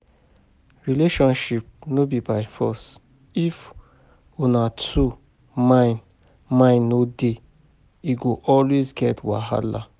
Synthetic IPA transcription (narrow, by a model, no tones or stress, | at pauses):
ɹileʃɔ̃nʃip̚nobibaɪfɔs | if | unatʰu | mãɪ̃n | mãɪ̃nːode | iɡoʔɔlwezɡɛtʰwaɦa̰la̰